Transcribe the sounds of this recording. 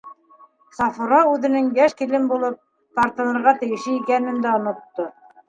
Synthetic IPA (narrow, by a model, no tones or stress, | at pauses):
sɑfuɾɑʉðɘ̆nɘŋjæʃkilɘmbulˠɤp̚ | t̪ɑɾt̪ɤ̆nɤ̆ɾʁɑt̪ɘ̆jɘ̆ʃɘikænɘ̆nd̪æŏnŏt̪ːo